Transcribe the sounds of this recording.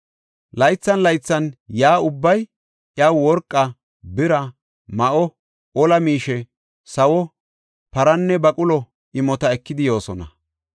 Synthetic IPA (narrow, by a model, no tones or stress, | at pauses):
lɐjt͡sːɐnlɐjt͡sːɐnjaːʊbːɐj | ʔjawwɔɾkʼːɐ | bɪɾɐ | mɐʔɔ | ɔlɐmiːʃɛ | sɐwɔ | pɐɾɐnːɛbɐkʼʊlɔ | ʔɪmɔt̪ɐɛkːɪd̪ɪjo̞ːsɔnɐ